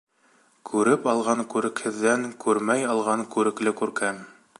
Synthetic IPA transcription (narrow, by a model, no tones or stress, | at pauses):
kʰʉɾɘpɑlˠʁɑŋkʉɾɘ̆khɘ̆ðːæŋkʉɾmæjɑlˠʁɑŋkʉɾɘ̆klɘkʉɾkæm